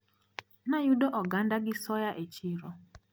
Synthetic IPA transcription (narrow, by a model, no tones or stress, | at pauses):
najudɔʔɔɡandaɡɪsɔjaʔet͡ʃiɾɔ